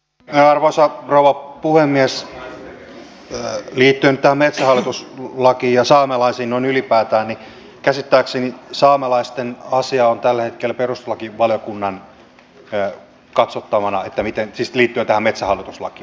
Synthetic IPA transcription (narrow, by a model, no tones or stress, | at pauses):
meɑrʋosɑrouʋɑpuhemːiæs | liːt̪ːyønyt̪æhæmmet̪sæhɑlːˑit̪uslɑkiːjɑsɑːmelɑisiːnnoinylipæːt̪æːnni | kæsit̪ːæːksenisɑːmelɑist̪enɑsiɑont̪ælːhet̪kelperust̪olɑkiʋɑljokunːɑn | kɑt̪sot̪ːɑʋɑnɑet̪ːæmit̪ensisliːt̪ːyøt̪æhæmmet̪sæhɑlːˑit̪uslɑ̰kiː